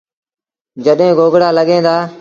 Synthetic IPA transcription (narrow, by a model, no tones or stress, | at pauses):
d͡ʒəɗɦẽːɡʱoːɡɽaːləɠẽːd̪aː